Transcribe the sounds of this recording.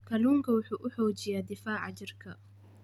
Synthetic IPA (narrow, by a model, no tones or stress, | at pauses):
kʰɐluːŋkʰɐwʊħuːʔʊħɔːt͡ʃɪjaːd̪ɪfaːʕɑ̰t͡ʃɪrkʰɐ